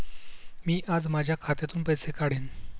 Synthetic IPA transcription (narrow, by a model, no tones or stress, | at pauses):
miːʔad͡zmad͡ʑʱjakʰat̪jat̪uːnpəjsekaɽen